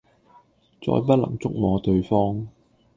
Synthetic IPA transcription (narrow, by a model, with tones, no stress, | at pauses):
t͡sɔ̰ː˧jp̬ɐ˥t̚lɐ̰˨˩ŋt͡sʊ˥k̚mɔː˨˧t̪ɵ˧ɥfɔː˥ŋ